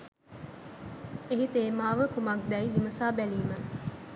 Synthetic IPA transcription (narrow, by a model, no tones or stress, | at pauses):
eɦit̪eːmaːʋəkumɐk̚d̪ɛjʋiməsaːbæliːmə